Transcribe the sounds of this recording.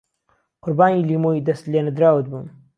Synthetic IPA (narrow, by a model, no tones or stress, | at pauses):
qʊɾbaːniːliːmoid̪ɐst̪lenɨd̪ɾaːwɨt̪̚bṵːn